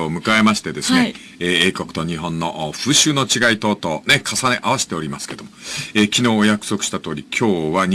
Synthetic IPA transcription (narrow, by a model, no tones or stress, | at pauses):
oːmɯ̟kae̞maɕi̥t̪e̞d̪e̞sɨne | eeːko̞kɯ̟̥t̪o̞ɲ̟iɦõ̞nːo̞ʔːɸɯ̟ːɕɨːno̞t͡ɕiɡait̪o̞ːt̪o̞ːne̞kʰasane̞ʔaβaɕi̥t̪e̞oɾʲimasɨ̥ke̞d̪omoeːkʲino̞ːjakɯ̟̥so̞kɯ̟ɕi̥t̪at̪o̞ːɾʲikʲʰo̞ːβaɲ